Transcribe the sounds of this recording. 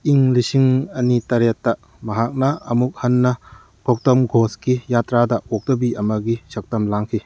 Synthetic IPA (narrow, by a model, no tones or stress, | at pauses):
iŋlisiŋɐnitɐɾetːɐ | mɐɦak̚nɐɐmuk̚hɐnːɐ | kʰok̚tɐmɡʱoskijatɾadɐok̚dɐbiɐmɐɡisɐk̚tɐmlaŋkʰi